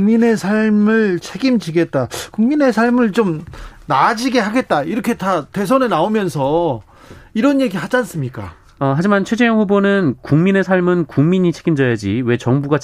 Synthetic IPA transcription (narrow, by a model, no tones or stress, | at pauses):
ŋmine̞sʰaɭmɯɭt͡ɕʰeɡimd͡ʑiɡe̞t̚t͈akuŋmine̞sʰaɭmɯɭt͡ɕomnad͡ʑiɡe̞ɦaɡe̞t̚t͈aiɾʌkʰe̞tate̞s̬ʰʌnɯnaomjʌnsʰʌ | iɾʌnje̞ɡiɦad͡ʑans͈ɯmɲik͈a̰ | ʌɦad͡ʑimant͡ɕʰwe̞d͡ʑejʌŋɸubonɯnkuŋmine̞sʰaɭmɯnkuŋmiɲit͡ɕʰe̞ɡimd͡ʑʌjad͡ʑiwe̞t͡ɕʌŋbuɡa